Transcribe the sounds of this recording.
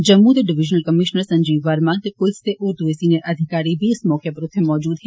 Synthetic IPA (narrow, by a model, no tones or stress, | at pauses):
d͡ʒəmːut̪eɖɪʋiʒnəlkəmiʃnəɾsə̃ɲd͡ʒiːʋaɾmãt̪ekʊlst̪eʔuɾd̪uesineʔəd̪ʱikaɾibismɔkʰjəpɾʊt̪ʰːjəmɔːd͡ʒuːd̪ɦɛ